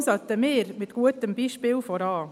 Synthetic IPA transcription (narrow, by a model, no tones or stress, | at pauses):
sɑt̪ːəmeːɾmɪt̪ɡ̥uətəmbiːʃpɪːlfɔɾɑː